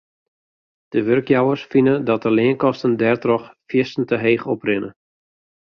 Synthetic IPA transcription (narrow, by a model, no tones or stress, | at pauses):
d̥əʋørkjawərsfinədɔt̚dəlɪənkɔstəndɛrtrɔxfjɪstn̩təɦeːχɔprɪnə̰